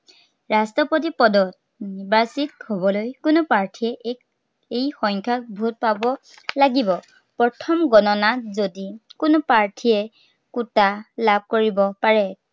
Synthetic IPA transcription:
ɹastɔpot̬ipɔdɔt̚ | nibasithobɔlojkʊnʊpaɹtʰiɛʔe | ejxɔŋkʰak̚bʱut̚pabɔ | laɡibɔ | pɹɔtʰɔmɡɔnɔnazodikʊnʊpaɹtʰijɛ | kutalab̚ʱkoɹibɔpaɹɛ

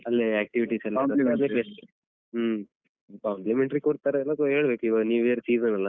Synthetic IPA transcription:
ɐlːeaːk̚ʈiʋiʈisɛlːɐad̪ekes | paɳlimeɳʈɾikɔɽt̪aːɾeːlːɐk̪oɦeːɭbekuiʋaːɡniːʋeːɾsiːzɐnɐlːɐ

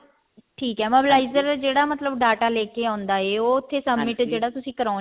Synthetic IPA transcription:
ʈʰiːkɛːməbɪlaːizəɾd͡ʒeːɽaːmət̪ləbɖaːʈaːlɛːkeːãːnd̪aːeːoːʊt̪ʰːeːsəbmɪʈd͡ʒeːɽaːt̪ʊsĩːkəɾaː

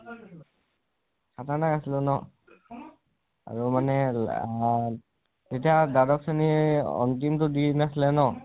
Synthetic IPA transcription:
satanakasilʊnɔ | a̰ɹumanɛ | tetiadadɔk̚seniɔ̰ntimtʊdinasilɛnɔ

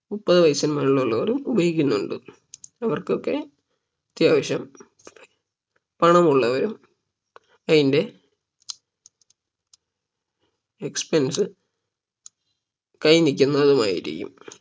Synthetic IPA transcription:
upːɐðɐʋɐjsɐnmɐnuɭːuɭːɐʋɐɾumubɐhikʲːunːuɳɖɨ | ɐʋɐrkokːe̞ | t̪jaːʋɐɕjɐm | pɐɳɐmuɭːɐʋɐɾum | ɐðinde̞ | ekspensɨ | kɐjnikʲːunːɐːðuma̰ːjḭɾḭkʲːṵm

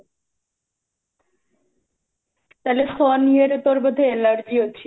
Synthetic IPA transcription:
t̪alesɔnieɾt̪ɔɾbod̪ʱelaɽd͡ʑiɦotːɕʰi

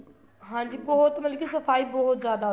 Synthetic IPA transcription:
ɦãːɲd͡ʑiːbɔɦʊt̪mɐlkisɐfaːibɔɦʊt̪zjaːd̪a

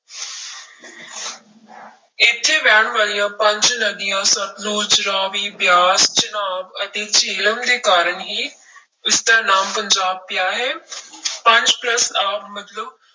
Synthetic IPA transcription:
ɪt̪ʰːeʋaːɽ̃ʋaːlijãpɐ̃ɲd͡ʑnɐɡijãsɐ̃ʈluːd͡ʒɾaːʋibjaːst͡ʃɐnaːbɐt̪et͡ʃeːləmɾeːkaːɾəɳɦi | ɪst̪əɾnaːmpɐɲd͡ʑaːb̚pjaːɦeːpɐ̃ɲd͡ʑplɐsaːmɐt̪ləb̚

